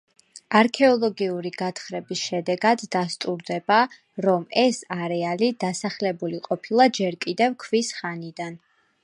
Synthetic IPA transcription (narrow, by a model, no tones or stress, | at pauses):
aɾkʰɛɔlˠɔɡiuɾiɡat̪ʰχɾɛbisʃɛd̪ɛɡad̪ːast̪ʼuɾd̪ɛba | ɾɔmɛsaɾɛalid̪̥asaχlɛbuliqʼɔpʰilˠad͡ʒɛɾkʼid̪ɛvkʰvisχanid̪an